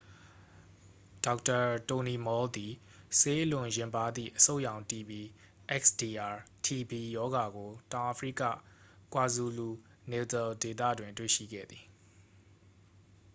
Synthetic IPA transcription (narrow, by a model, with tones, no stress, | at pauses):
d̥a˦kta˨to˨ni˨mɔ˨˦ld̪i˨ | se˦ʔəlʊ̃˨jɪ̃˨mpa˨d̪ðḭ˦˨ʔəso˦ʊʔjã˨ʊ̃nti˨bi˨ | ʔɛ˦ksd̥i˨ʔa˨ | tʰi˨bi˨jɔ˦ɡa˨ɡo˨tã˨ʊʔa˨pʰɹḭ˦˨ka̰˦˨ | kwa˨zu˨lu˨ | ne˨tɛ˨lde˨t̪a̰˦˨dwɪ̃˨ntwḛ˦˨ʃḭ˦˨ɡɛ̰˦˨d̪ði˨